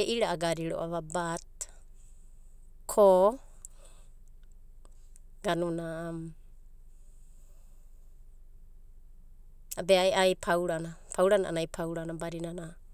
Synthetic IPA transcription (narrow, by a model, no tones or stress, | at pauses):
eʔiɾaʔaɡaɾiɾoʔaβabat̚ | kʰo | ɡanunam | abeajʔajpʰawɾanapʰawɾana̰ʔa̰najpʰawɾanabaɾinana